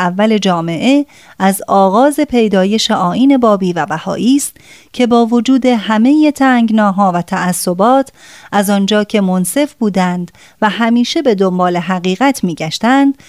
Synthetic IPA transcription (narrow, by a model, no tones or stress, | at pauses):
ævːæle̞d͡ʒɒːme̞ʔe̞ | æzɒːɣɒːze̞pʰe̞jd̪ɒːje̞ʃeʔɒːʔiːne̞bɒːbiːvæbæhɒ̰ːʔiːst̪̚ | cʰe̞bɒːvo̞d͡ʒuːd̪e̞ɦæme̞jet̪ʰæːŋɡnɒːɦɒːvæt̪ʰæʔæsːo̞bɒːt̪ʰʔæzɒnd͡ʒɒːcʰe̞mo̞nse̞fbuːd̪ænd̪ | væɦæmiːʃe̞be̞d̪ombɒːle̞ɦæɣiːɣæt̪ʰmiːɟæʃt̪ænd̪̥